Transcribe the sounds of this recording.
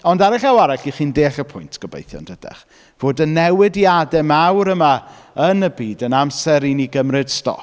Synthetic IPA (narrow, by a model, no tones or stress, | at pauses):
ɔndaɾɛɬawaɾaɬiχiːndeːɬəpʰʊjntʰɡ̥əbḛjθjɔ̰nd̥ədɛ̰χ | v̥oːdənːɛwɪdiadɛmawɾəmaənəbiːdənamsɛɾiniɡəmrɨd̥stɔ̰